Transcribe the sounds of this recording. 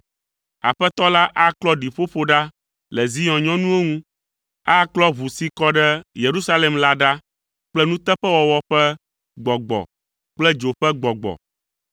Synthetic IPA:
a̰˨ɸɛ˦t̪ɔ˦la˦ʔa˦klɔ˦ɖi˨ɸo˦ɸo˦ɖa˦ | lɛ˨zi˦ɲɔ̃˨ɲɔ̃˦nũ˦e˦ŋũ˦ | a˦klɔ˦βu˨si˦kɔ˦ɖɛ˦je˨ɾu˦sa˦le˨mla˦ɖa˦ | k͡plɛ˦nũ˦t̪ɛ˦ɸɛ˦wɔ˨wɔ˦ɸɛ˦ | ɡ͡bɔ˨ɡ͡bɔ̰˨ | k͡plɛ˦d͡ʒo˨ɸɛ˦ɡ͡bɔ˨ɡ͡bɔ̰˨

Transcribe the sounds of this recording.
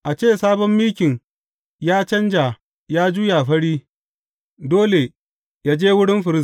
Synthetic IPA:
ʔa˨t͡ʃeː˦˨saː˦bɔ˦mːiː˦kʲɪ˨ɲ | jaː˦t͡ʃɐ˦nd͡ʒa˨ | jaː˦d͡ʒu˦ja˨ɸɐ˦ɽiː˦ | doː˦le˨ | jaː˦d͡ʒeː˦wʊ˦ɽɪ˦mɸɪ˨ɾɪ˦s

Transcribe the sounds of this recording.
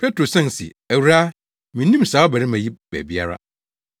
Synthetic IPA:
pʰɛ˦tɾo˨sɛ̃˦n˨sḭ˨ | æ˨wɾa˦ | mĩ˨nː˦ĩ˦m˨saː˨˦ɔ˦bæ˨ɾi˦mã˨ji˦bæ̰˨bi˦a̰˦ɾa̰˦

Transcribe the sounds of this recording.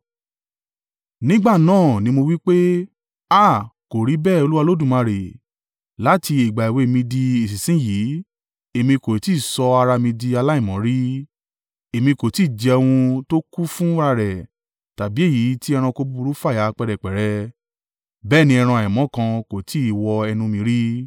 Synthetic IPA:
nĩ˦ɡ͡ba˦˨nãː˦˨nĩ˧mo˧wi˦k͡pe˦ | a˦˨ko˨ɾi˨˦bɛː˦˨o˧lu˦wa˧lo˦dũ˦˨mã˧ɾe˨ | la˦ti˧i˨ɡ͡ba˨i˨we˧˨e˨mĩ˧di˧i˨si˨sĩ˨˦ji˨˦ | e˨mĩ˧ko˨i˨ti˨˦˨sɔ˧a˧ɾa˧mĩ˧di˧a˧la˦i˦˨mɔ̃˨˦ɾi˦ | e˨mĩ˧ko˨ti˨˦˨d͡ʒi˨˧ɛ˧w̃ũ˧to˦ku˦fũ˦ɾa˧ɾɛ˨ | ta˨bi˨˦e˦˨ji˨˦ti˦ɛ˧ɾ̃ã˧ko˧bu˦u˧ɾu˦fa˦˨a˨˦k͡pɛ˧ɾɛ˨k͡pɛ˨ɾɛ˧ | bɛː˦˨nĩ˧ɛ˧ɾ̃ã˧˨mɔ̃˨˦kã˧ko˨tʰi˨˦i˨wɔ˧ɛ˧nũ˧mĩ˧ɾi˦

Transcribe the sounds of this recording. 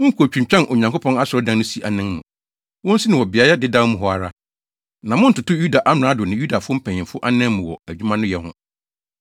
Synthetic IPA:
wʊ̃˦ŋ˦kʰu˨t͡ɕᶣũ˨t͡ɕᶣã˦nʔo˨ɲã˨ŋkʰʊ˦pʰɔ̃˦na˦sʊ˨ɾɔ˦dã˦ŋ˦nʊ̃˦si˦ʔa˨nɪ̃˦ŋmṵ̃˨ | wɔ̃˦n̩˦si˦nɪ̃˨wɔ˨bɪ˨a˨jɛ˦dɪ˦dã˦mʊ̃˨ɦɔ˦a˨ɾa˦ | nã˨mʊ̃˦n̩˦tʊ˨tʊ˦ju˦da˨ʔa˦m˨ãː˨˦dʊ˨nɪ̃˨ju˦da˨fʊ˦ʊ˦m̩˦pʰɛ̃˨ɲ˨ɪ̃˨mfʊ˦ʔa˦nɪ̃˦mʊ̃˨wɔ̰˨æ˨d͡ʑᶣu˦mã˦nʊ̃˦jɛ˨hʊ̰̃˦

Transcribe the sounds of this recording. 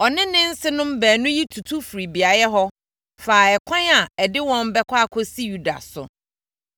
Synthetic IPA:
ɔ˨nɪ̃˦nɪ̃˦n̩˦sɪ˦nʊ̃˦m˦bæ̃ː˨nʊ̃˦ji˦tʰu˨tʰu˦fɾi˨bi˨a˨jɛ˦ɦɔ˦ | faː˨ɛ˨kʷʰã˦na˨ɛ˨dɪ˦wɔ̃˦m˦bɛ˦kʷʰa˦˨kʰɔ˦si˦ju˦˨da̰˨sʊ̰˨

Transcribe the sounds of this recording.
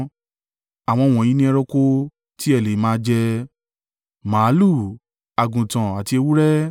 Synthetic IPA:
a˨w̃ɔ̃˧˨w̃ɔ̃˨ĩ˦nĩ˦ɛ˧ɾɔ˧ko˦ | ti˦ɛ˦˨le˨˦mãː˦d͡ʒɛ˧ | mãː˨˦lu˦˨ | a˨ɡũ˨tã˨a˨ti˧e˧wu˦ɾɛ˦

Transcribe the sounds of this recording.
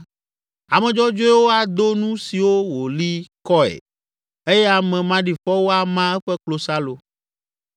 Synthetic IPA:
a˨mɛ̃˨d͡ʒɔ˦d͡ʒo˦ɛ˦wo˦a˨d̪o˦nũ˦si˨wo˦wo˨li˦kɔ˦ḛ˨ | e˦jɛ˦a˨mɛ̃˨mã˦ɖi˨ɸɔ˦wo˦a˨mã˦ɛ˦ɸɛ˦k͡plo˨sa˦lo˨

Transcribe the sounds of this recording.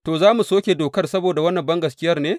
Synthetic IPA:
toː˨zaː˦mu˨soː˦kʲe˨doː˨kɐ˦rsɐ˦boː˨da˨wɐ˦nːɐ˨mbɐ˦ŋɡɐ˨skʲɪ˦jɐ˦rneː˦

